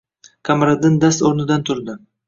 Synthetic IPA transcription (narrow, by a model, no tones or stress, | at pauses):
kʰamaɾad̪ɪnd̪ast̪oɾnɪd̪ant̪ʰʊɾd̪ɪ